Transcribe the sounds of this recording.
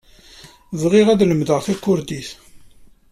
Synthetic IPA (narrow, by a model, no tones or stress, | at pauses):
zˤʁɪʁæðləmðəʁθækːʊɾd̪iθ